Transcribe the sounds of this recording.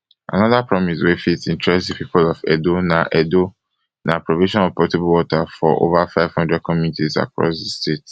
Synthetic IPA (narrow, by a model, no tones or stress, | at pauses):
a̰nɔ̃ðapʰɹɔmiswefitĩntʰɹɛsdepʰipʰolɔfɛ̰donãʔɛdo | nʔãpʰɹoviʃɔ̃nɔvpʰɔtibulwɔtʰafɔ̰ʔo̰vafaɪv̥hɔ̃ndɹɛd̚kʰɔ̃mjunitʰiza̰kʰɹɔ̰sdɪstʰet